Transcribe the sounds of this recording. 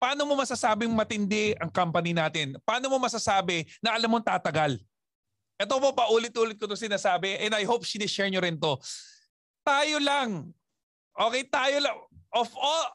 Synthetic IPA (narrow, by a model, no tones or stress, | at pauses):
pɐaːno̞mo̞mɐsasaːbɪŋmɐt̪ɪnd̪ɛʔɐŋkampɐnɪnaːt̪ɪnpaːno̞mo̞mɐsasaːbɪnɐʔɐlamːoŋt̪aːt̪ɐɡal | ʔɛt̪opo̞pɐʔuːlɪt̪̚ʔuːlɪt̪̚kot̪osɪnaːsaːbɛʔɛnd̪ɐjhowp̚ʃinɪʃɛɹɲoɾɪnt̪o̞ | t̪aːjolɐŋ | ʔo̞ːkɛjt̪aːjolɐŋʔofʔol